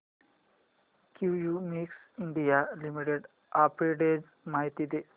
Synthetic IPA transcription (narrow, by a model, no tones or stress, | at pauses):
kjujumiks | iɳɖijalimiʈeɖ | apɾeɖed͡ʑ | maɦit̪id̪e